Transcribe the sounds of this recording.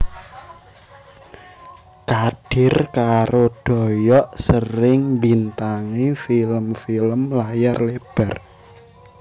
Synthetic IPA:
kaɖ̥ɪ̤rkaɾoɖ̥ɔ̤jɔʔsəɾɪŋmbint̪aŋifiləmfiləmlajarleb̥ɛr

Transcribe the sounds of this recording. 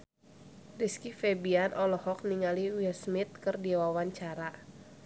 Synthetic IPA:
riskifɛbianʔɔlɔhɔk̚niŋaliwilsmit̪̚kɨrdiwawaɲt͡ʃaɾa

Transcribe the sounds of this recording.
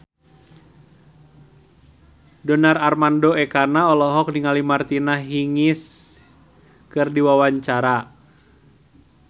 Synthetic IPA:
dɔnararmandoɛkanaɔlɔɦɔk̚niŋalimart̪inaɦiŋɪs | kɨrdiwawaɲt͡ʃaɾa

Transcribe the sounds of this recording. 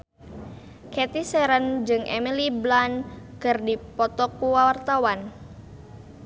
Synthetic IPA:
kɛt̪isɛɾənd͡ʒɨŋʔḛmiliblankɨrdipɔt̪ɔkuwawart̪awan

